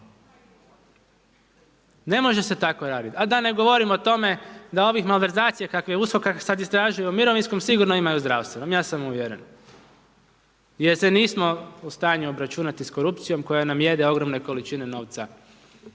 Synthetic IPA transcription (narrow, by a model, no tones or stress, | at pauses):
ne̞mo̞ʒe̞se̞t̪ako̞ɾaːd̪it̪ad̪ane̞ɡo̞ʋo̞ɾimot̪o̞me̞d̪ao̞ʋixmalʋe̞ɾzaːt̪sijakakʋeusko̞kasad̪ist̪ɾaʒujuumiɾo̞ʋinsko̞msiɡuɾnoimajuzd̪ɾa̰ʋst̪ʋenomjaːsamuʋjeɾe̞n | jeɾseniːsmo̞ust̪aːɲuobɾat͡ʃunat̪isko̞ɾupt̪sijo̞mko̞janamje̞d̪eo̞ɡɾomne̞ko̞lit͡ʃine̞no̞ːʋt̪sa